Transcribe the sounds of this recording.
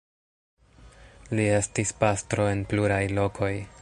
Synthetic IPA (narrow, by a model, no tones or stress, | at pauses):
lie̞stispastɾo̞e̞npluɾajlo̞kʰo̞j